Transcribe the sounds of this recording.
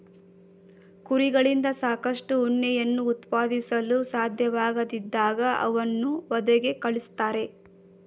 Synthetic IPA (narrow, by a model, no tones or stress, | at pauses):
kuɾiɡɐɭind̪ɐsaːkɐʂʈuːɳːɛjɐnːuːt̪paːd̪isɐlusaːd̪ʱjɐʋaːɡɐd̪id̪ːaːɡɐɐ̰ʋɐnːuʋɐd̪ɛɡekɐɭist̪aːɾe̞